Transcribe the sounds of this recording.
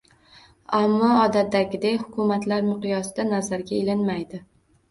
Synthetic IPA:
amːɒːd̪at̪ːaɡʲɪd̪ejhʊkʰʊmat̪laɾmɪqɨjɒsɪd̪anazaɾɡʲaelɪnmajd̪ɪ

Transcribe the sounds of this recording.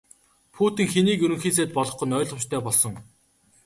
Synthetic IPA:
pʰuːt̪ĭːŋxeniːkɵɾɵ̆ŋxiːs̬eːt̪̚pɔɮɞ̆χɡʊ̆nœːɮʊ̆mt͡ɕt̪ʰœːpɔɮsɞ̆ŋ

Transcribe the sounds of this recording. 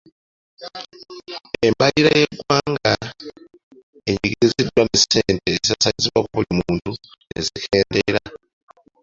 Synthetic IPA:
e̞mbaliɾajeɡwaːŋɡa | eɲiɡiɾɾizidːwaneseːntezasaziβwakuβulimuːntue̞zikʰeːndeɾa

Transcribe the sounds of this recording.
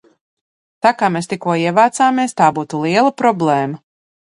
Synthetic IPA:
t̪aːkaːmeːst̪ikuɔiɛvaːt̪saːmiɛst̪aːbuːt̪ulˠiɛlˠɐpɾɔblˠɛːmɐ

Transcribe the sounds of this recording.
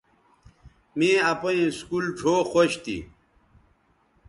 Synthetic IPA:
mĩɐpoĩskulʈ͡ʂʰoːxoɕt̪ḭ

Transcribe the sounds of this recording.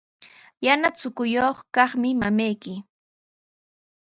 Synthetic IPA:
janat͡sʊkʊjoχkɑχmɪmamajkɪ

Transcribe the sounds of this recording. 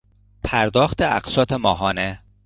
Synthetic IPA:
pʰæɾd̪ɒːxt̪ʰeæ̰qsɒːt̪ʰemɒːɦɒːne

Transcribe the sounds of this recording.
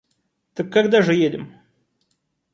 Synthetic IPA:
t̪əkːaɡd̪aʐɨjedʲɪ̰m

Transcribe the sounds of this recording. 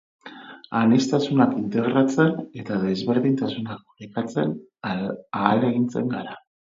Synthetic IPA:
anest̪asunakint̪e̞ɣɾat͡se̞ne̞t̪aðe̞zβe̞ɾðint̪asunak̚oɾekat͡se̞n | aːle̞ɣint͡se̞̰ŋɡaɾa

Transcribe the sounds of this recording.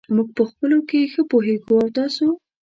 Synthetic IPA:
muɡ̚pəxpəlokexəpoɦeɡuawt̪ɑso

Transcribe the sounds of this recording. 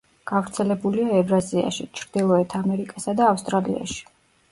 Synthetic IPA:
ɡ̥avɾt̪sʰɛlɛbuliaɛvɾazia̰ʃit͡ʃʰɾd̪ilˠɔɛt̪ʰamɛɾikʼasad̪aːfst̪ʼɾalḭa̰ʃi̥

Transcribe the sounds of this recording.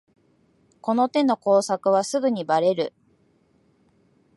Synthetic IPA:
ko̞no̞t̪e̞no̞ko̞ːsakɯ̟β̞asɨɡɯ̟ɲ̟ibaɾe̞ɾɯ̟

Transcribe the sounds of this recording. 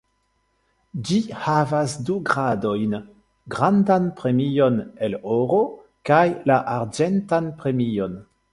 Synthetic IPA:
d͡ʒihavasduɡʁado̞jn | ɡʁandanpʁe̞mijo̞neloɾo | kajlaʔaɾd͡ʒentanpɾe̞mijo̞n

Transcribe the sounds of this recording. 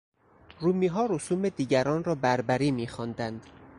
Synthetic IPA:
ruːmiːɦɒːɾosuːmed̪iːɟæɾɒːnrɒːbæɾbæɾiːmiːxɒnd̪ænd̪̥

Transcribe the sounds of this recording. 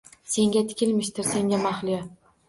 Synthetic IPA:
se̞ŋɡʲat̪ʰɪ̥kʲʰɪlmɪʃt̪ɪɾse̞ŋɡʲamaχlija

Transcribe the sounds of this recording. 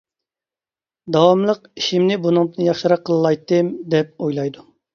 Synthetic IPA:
d̪ɑwɑmlˠəqiʃimnɪbunɨŋt̪ɨnjɑχʃɨɾɑqʰːəlˠɨlˠɑjt̪ːɨmd̪ɛp̚ojlˠɑjd̪u

